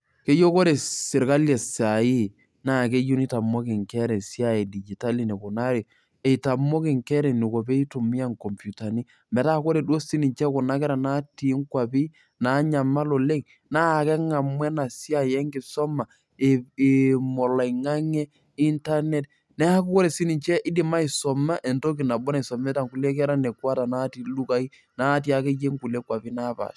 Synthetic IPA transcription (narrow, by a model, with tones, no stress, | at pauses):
ke˦jo˦ko˦ɾe˨sɪ˨ɾka˦lje˨sa˨i˦ | na˦˨ke˦ju˦ni˦ta˨mo˦kɪ˨ŋkɛ˦ɾɛ˨si˦a˦˨e˨di˨d͡ʒi˨ta˦li˨ne˨ko˨na˦ɾjɔ˨ | e˨ta˨mo˦kɪ˨ŋkɛ˦ɾe˨ni˨ko˨pe˦i˦tu˨mi˦a˦ŋko˨mpju˨ta˨ni˦ | mbɛ˨ta˦˨ko˦ɾe˨do˦si˦ni˨ɲt͡ʃɛ˦kʊ˨na˦kɛ˦ɾa˨na˦ti˨˦ŋkwa˨pi˦ | na˨˦ɲa˨ma˦lo˨le˦ŋ | na˦˨kɛ˦ŋa˨mwɛ˦na˨si˦a˨jɛ˦ŋɡɪ˨sɔ˦ma˨ | e˨mɔ˨la˨i˨ŋa˦ŋɛ˦ | i˦nta˦nɛ˦t | nɛ˦a˦ku˦kɔ˦ɾe˨si˦ni˨ɲt͡ʃɛ˦ʔɪ˦di˨ma˦i˨sɔ˨ma˦ʔe˨nto˦ki˨na˨bɔ˦na˨i˨sɔ˨mɛ˦ta˨ŋku˨le˦k̬ɛ˦ɾa˦ne˨kwa˦ta˨na˦ti˨˦lu˦ka˨˦i˦ | na˦ti˦a˨ke˦je˦ŋku˨le˦kwa˨pi˦na˦pa̰˨ʃ